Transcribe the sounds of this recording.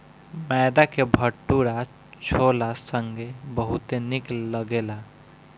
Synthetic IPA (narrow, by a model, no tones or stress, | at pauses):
mɛd̪akebʱəʈːuɾa | t͡ʃʰolasəŋɡebəɦut̪enikːəɡela